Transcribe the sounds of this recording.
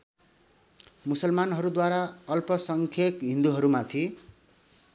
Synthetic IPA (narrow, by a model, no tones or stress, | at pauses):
musʌlmanɦʌɾud̪waɾaʌlpʌsʌŋkʰekɦĩnd̪uɦʌɾumat̪ʰi